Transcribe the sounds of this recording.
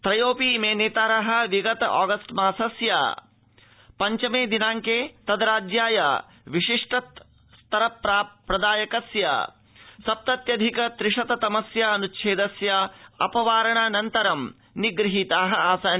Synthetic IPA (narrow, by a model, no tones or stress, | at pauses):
t̪ɾɐjoːpiːmeːneːt̪aːɾɐɦɐ̆ʋiɡɐt̪ɐɔ̰ːɡɐsʈmaːsɐsja̰ː | pɐɲt͡ʃɐmeːd̪inaːŋkeːt̪ɐd̪ɾaːd͡ʒjaːja̰ | ʋiʃiʂʈɐt̪ | st̪ɐɾɐpɾaːpɾɐd̪aːjɐkɐsja̰ | sɐp̚t̪ɐt̪jɐd̪ʱikɐt̪ɾɪʂɐt̪ɐt̪ɐmɐsjaːɐnutːʃʰeːd̪ɐsjaɐ̰pɐʋaːɾɐɳaːnɐnt̪ɐɾɐm | niɡɾɪɦit̪aːɦɐaːsaːn